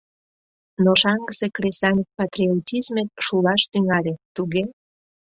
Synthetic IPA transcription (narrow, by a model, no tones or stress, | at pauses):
noʃɑŋɡəsekɾesɑnʲk̚pat̪ɾiot̪ʲizmek̚ʃulɑʃt̪yŋɑlʲet̪uɣe